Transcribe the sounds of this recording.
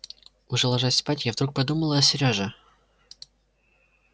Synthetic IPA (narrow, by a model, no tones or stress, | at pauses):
ʊʐɛlˠɐʐasʲspatʲjavd̪ɾuk̚pɐd̪uməlˠəɐsʲɪɾʲoʐɨ